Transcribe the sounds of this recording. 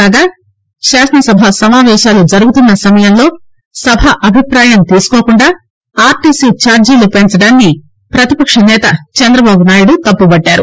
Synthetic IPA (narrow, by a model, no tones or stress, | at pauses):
aːɡaː | ʃaːʂɐnɐsɐbʱasɐmaːʋɛːʃaːlud͡ʒɐɾuɡut̪unːɐsɐmɐjɐmlo̞ː | sɐbʱaʔɐbʱipɾaːjɐmt̪iːsu̥koːkuɳɖaː | aːɾʈiːsiːt͡ʃaːɾd͡ʒiːlupent͡ʃɐɽaːnki | pɾɐt̪ipɐkʂɐnɛːt̪ɐt͡ʃɐnd̪ɾɐbaːbunaːjuɽut̪ɐpːubɐɖːaːɾṵ